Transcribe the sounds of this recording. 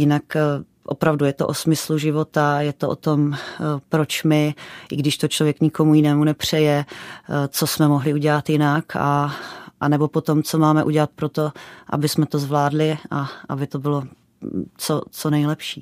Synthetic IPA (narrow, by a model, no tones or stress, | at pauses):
jɪnak | ʔo̰pɾavdujɛt̪oʔosmɪsluʒɪvo̞t̪ajɛt̪oʔo̰t̪o̞mpɾot͡ʃmɪʔɪɡdɪʃt̪ot͡ʃlo̞vjɛkɲɪko̞mujɪnɛːmunɛpr̝̥ɛjɛ | t͡so̞smɛmoɦlɪuɟɛlat̪jɪnaka̰ʔa̰nɛbo̞po̞t̪o̞mt͡so̞maːmɛʔuɟɛlat̪̚pɾo̞t̪oʔa̰bɪsmɛt̪ozvlaːdlɪaʔa̰bɪt̪obɪlo̞ | t͡sot͡sonɛjlɛpʃiː